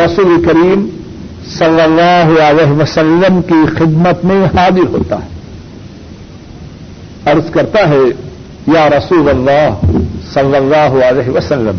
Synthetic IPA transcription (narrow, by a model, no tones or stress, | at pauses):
ɾɐsuːlekɐɾiːm | sɐlːɐlːaːɦʊəleːɦʋɐsɐlːəmkixɪd̪mət̪mẽhaːd̪ɪɾɦo̰ːt̪a̰ɦɛ | ɐɾzkɐɾt̪aɦɛ | jaːɾɐsuːlɐlːaːɦsɐlːɐlːaːɦʊəlɛːɦɪʋɐsɐlːəm